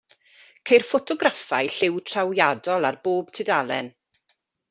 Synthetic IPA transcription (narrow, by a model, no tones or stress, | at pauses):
kʰejrfɔtʰɔɡrafajɬɪwtʰrawjadɔlˠarboːb̥tʰɪdalˠɛ̰n